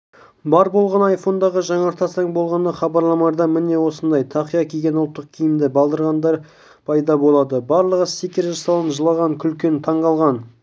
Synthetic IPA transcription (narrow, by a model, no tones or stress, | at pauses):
bɑɾbo̞lˠʁɑnɑjfo̞nd̪ɑʁəʒɑɴɑɾt̪ʰɑsɑɴbo̞lˠʁɑnəχɑbɑɾlˠɑmɑɾd̪ɑmɪne̞wo̞sənd̪ɑjt̪ʰɑqijɑkʲʰeɡʲe̞nʊlˠt̪ːəq̚kʲʰijɪmd̪ɪbɑlˠd̪əɾʁɑnd̪ɑɾ | pʰɑjd̪ɑbo̞lˠɑd̪əbɑɾlˠəʁəsikʲɪɾʒɑsɑlˠənʒəlˠɑʁɑŋkʲʰʏlkʲe̞nt̪ʰɑɴʁɑlˠʁɑn